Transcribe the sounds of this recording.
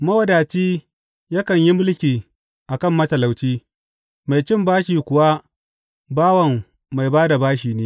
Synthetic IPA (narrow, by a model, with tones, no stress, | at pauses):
mɐ˦wɐ˦daː˨t͡ʃiː˦ | ja˦kɐ˨ɲji˦mʊ˦lkʲiː˨ | ʔa˨kɐ˦˨mːɐ˦tɐ˨la˨wt͡ʃiː˦ | ma˨jt͡ʃɪ˦mbaː˦ʃiː˨kʷʊ˨wa˦ | baː˦wɐ˨mː | a˨jbaː˦da˨baː˦ʃiː˨neː˦